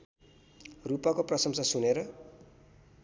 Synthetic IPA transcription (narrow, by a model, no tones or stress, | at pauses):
rupakoprʌsʌmsʌsuneɾʌ